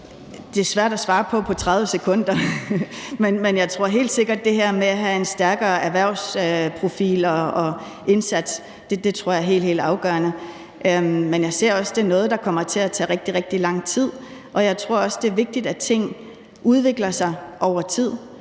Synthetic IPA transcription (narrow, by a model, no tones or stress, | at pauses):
d̥e̝æɐsʋæɐ̰d̥æsʋɑ̈ːpʰɒ̽pʰɒ̽t͡sʰʁɑð̞ˠʋəsekʰɔ̽n̰d̥ɐ | menmenjɑ̈ɪt͡sʰʁo̝ɐ̰ɦe̝̰ːld̥se̝ɡ̥ɐd̥̚ːe̝ɦeɐ̰meæɦæe̝nsd̥æɐɡ̥ɐːæɐʋæɐ̰ʊ̰spʰʁo̝fḭːlɒɒ̽ | e̝nsæd̥s | d̥ed̥e̝t͡sʰʁo̝ɐ̰jɑæɐe̝̰ːl̥he̝̰ld̥ɑ̈ʊɡ̥ɶɐnə | ʔmenjɑ̈ɪse̝ɐ̰ɒ̽sd̥e̝ɐnɔ̽ːð̞̩ˠd̥ɑ̈kʰɒ̽m̰ɐt͡sʰe̝æt͡sʰɛ̰ːʁɛɡ̥̚d̥iʁɛɡ̥̚d̥ilɑ̈ŋ̰t͡sʰið̞̰ˠʔɒ̽jɑ̈ɪt͡sʰʁo̝ɐ̰ɒ̽sd̥e̝ɐʋe̝ɡ̥̚d̥id̥æt͡sʰe̝ŋ̰ | uð̞ˠʋe̝ɡ̥lɐsɑ̈ɪʔɒʊ̰ɐt͡sʰið̞̰ˠ